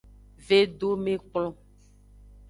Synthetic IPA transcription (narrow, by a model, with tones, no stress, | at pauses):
ve˦ɖo˦mẽ˦k͡plɔ̃˦